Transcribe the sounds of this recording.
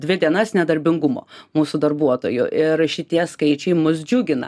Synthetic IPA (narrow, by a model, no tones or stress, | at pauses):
dʲʋʲɪd̪ʲiɛnɐsnʲɛd̪ɐɾʲbʲɪŋɡʊmo̰ːmuːsʊd̪ɐrbuɔt̪o̰ːjʊʔɪɾʃʲɪt̪ʲiɛskɐɪt͡ʃʲɛɪmʊs̬d͡ʒʲuɡʲɪnɐ̰